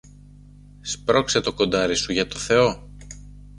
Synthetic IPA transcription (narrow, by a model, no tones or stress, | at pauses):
spɾo̞kse̞t̪o̞ko̞nd̪ɐɾisuʝɐt̪o̞θe̞o̞